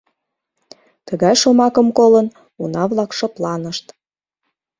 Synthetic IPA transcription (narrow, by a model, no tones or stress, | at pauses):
t̪əɣɑjʃomɑkəmkolən | unɑβlɑkʃoplɑnəʃt̪